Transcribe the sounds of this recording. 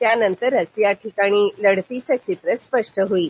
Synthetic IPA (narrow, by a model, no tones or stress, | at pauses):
t̪janənt̪əɾɦəsjaʈʰikaɽ̃iːləɽt̪it͡səkt͡ɕit̪ɾəspəʂʈəɦoiː